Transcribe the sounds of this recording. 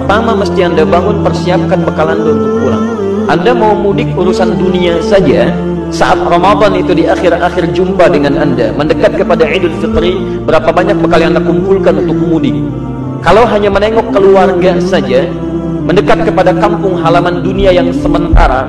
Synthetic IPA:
pərt̪amaməst̪iandabaŋʊnpərsiap̚kanbəkalanbəunt̪ʊk̚uɾa̰ŋ | andamaumudɪkuɾusanduniasad͡ʒa | sa̰ʔat̪̚romad̪ɔnit̪udiaxɪraxɪrd͡ʒumpadəŋananda̰məndəkat̪̚kəpadaʕidʊt̪̚fit̪ɾi | bəɾapabaɲak̚bəkaliandakumpulkanunt̪ʊk̚mudɪk̚ | kːalawɦaɲaməneŋɔkːəluarɡasad͡ʒa | məndəkat̪̚kəpadakampʊŋɦalamanduniajaŋsəmənt̪a̰ɾa̰

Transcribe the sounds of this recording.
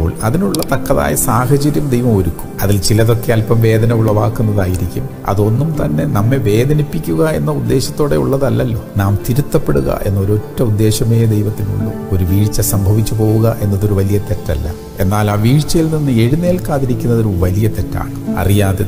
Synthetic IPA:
oːɭɐðinuɭːɐt̪ɐkːɐða̰ːjɐsaːhɐt͡ɕɐɾjɐmd̪e̞jʋɐmoɾukːu̥mɐðilt͡ɕilɐðo̞kːeɐlpɐmʋe̞ːd̪ɐnɐjuɭːɐʋaːkːunːɐðaːjiɾikʲːum | ɐ̰ðo̞nːumt̪ɐnːe̞nɐmːeʋe̞ːd̪ʱɐnipːikʲːuɣɐe̞nːɐud̪ːe̞ːɕɐt̪ːo̞ːɽe̞̰ṵɭːɐðɐlːɐlːo̞̰ːnaːmt̪iɾut̪ːɐpːe̞ɽuɣɐ̰ʔe̞̰nːɐo̞ɾuo̞tːɐud̪ːe̞ːɕɐme̞ːd̪e̞jʋɐt̪ːinṵɭːṵ | oɾuʋiːɻt͡ɕːɐsɐmbʱɐʋit͡ɕːupo̞ːɣuɣɐʔe̞nːɐðoɾuʋɐlijɐt̪etːɐlːɐ̰ | e̞nːaːlaːʋiːɻt͡ɕːɐjilninːɨe̞ɻune̞ːlkaːðiɾikʲːunːɐðo̞ɾuʋɐlijɐt̪ːetːa̰ːɳɨɐ̰rijaːðe

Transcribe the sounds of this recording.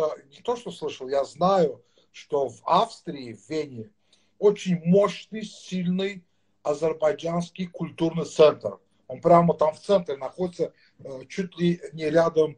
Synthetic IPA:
nʲɪt̪oʂt̪oslˠɨʂəlˠjaznajʊ | ʂt̪ovafst̪ɾʲɪːvvʲenʲɪ | ot͡ɕɪnʲmoɕnɨjsʲilʲnɨj | ɐzʲərbajd͡ʒanskʲɪjkʰʊlʲt̪urnɨjt̪sɛnt̪r | onpɾʲamət̪amft̪sɛnt̪ɾʲɪnɐxodʲɪt̪sə | t͡ʃut̪ʲlʲɪnʲɪɾʲad̪əm

